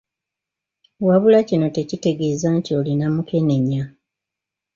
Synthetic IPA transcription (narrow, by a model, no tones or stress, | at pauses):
waβulacino̞te̞cite̞ɡe̞ːzantio̞linamukʰe̞ne̞ɲa